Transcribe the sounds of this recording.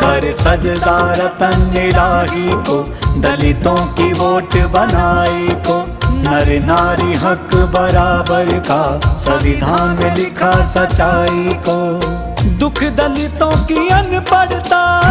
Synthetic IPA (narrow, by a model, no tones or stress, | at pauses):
pɐɾsɐd͡ʒzaːɾɐt̪ɐneɽaːɦikoː | d̪ɐlɪt̪õːkiʋoːʈbɐnaːikoː | nɐɾnaːɾiɦɐkbɐɾaːbəɾkaːsɐʋɪd̪ʱaːnmẽlɪkʰasɐt͡ʃːaːikoː | d̪ʊkʰd̪ɐlɪt̪õːkiɐnpɐɽt̪aː